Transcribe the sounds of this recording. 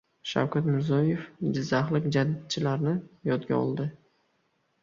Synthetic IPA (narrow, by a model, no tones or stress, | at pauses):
ʃa̰wkʲat̪mɪɾzɒjefd͡ʒɪzːaχlˠɪkʲd͡ʒad̪̚t͡ʃʰɪlaɾnɪjɒt̪ɡʲa̰ɒ̰lˠd̪ɪ